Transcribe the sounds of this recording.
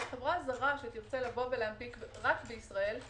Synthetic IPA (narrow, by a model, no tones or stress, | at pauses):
avʁazaʁaʃeat̪iʁt͡selavo̞veleampikʁakbeisʁae̞l